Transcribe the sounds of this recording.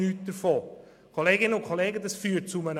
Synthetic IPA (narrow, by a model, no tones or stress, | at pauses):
yːt̚d̥əɾfoː | kʰoleːɡɪnəʊnkʰoleːɡədɑsfyːt̚t͡sʊmənə